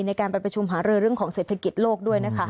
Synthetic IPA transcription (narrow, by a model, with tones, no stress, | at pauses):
na˧jkaː˧npɾa˧˩pɾa˧t͡ɕʰu˧mɦaː˩˦˥ɾɯː˧ɾɯ˥˩əŋkʰɔː˩˦ŋseː˨˩t̪ʰːa˧ki˨˩t̪̚loː˥˩k̚du˥˩əjna˦˥kʰa˦˥